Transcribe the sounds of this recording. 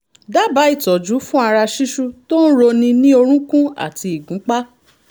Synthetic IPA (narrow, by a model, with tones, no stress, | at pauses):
da˦ba˨˦i˦˨tɔ˨d͡ʒu˨˦fũ˦a˧ɾa˧ʃi˦ʃu˦to˦n̩˦ɾo˧nĩ˧nĩ˦o˧ɾ̃ũ˦kũ˦a̰˨ti˧i˨ɡũ˨˦k͡pa˦